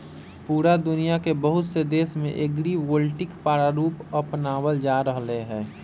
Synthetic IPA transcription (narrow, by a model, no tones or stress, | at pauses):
puːɾad̪ʊnijakebəɦʊt̪sed̪eːsmḛ̃ʔeɡɾiwolʈɪkpaːɾaɾuːpəpnaːwəld͡ʒaːɾəɦleɦɛ̃ː